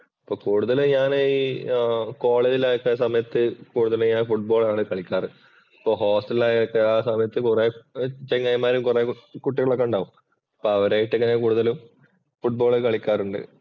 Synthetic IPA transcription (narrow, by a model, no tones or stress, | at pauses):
ɐpːoːkuːɽuðɐlɨɲaːniː | ko̞ːɭeːd͡ʑilaːjokːesɐmɐjɐt̪ːɨkuːɽuðɐluɲaːnfuʈ̚bo̞ːɭaːɳɨkɐɭikʲːaːrɨ | ɐpːoːɦo̞ːsʈɐlilaːjɐokːeaːsɐmɐjɐt̪ːɨkureːt͡ɕeŋːɐjmːaːɾumkurekuʈːiɣɐɭokːeuɳɖaːʋum | ɐpːoːɐʋɐɾaːjiʈːɨŋːɐnːekuːɽuðɐlum | fuʈ̚boːɭkɐɭikʲːaːruɳɖɨ̰